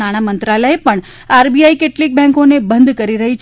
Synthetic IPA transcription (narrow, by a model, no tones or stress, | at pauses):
aɽ̃amənt̪ɾaləepəɳ | aɾbiaikeʈlik̚bɛ̃ŋkonebənd̪ʱkəɾiɾəɦit͡ʃʰ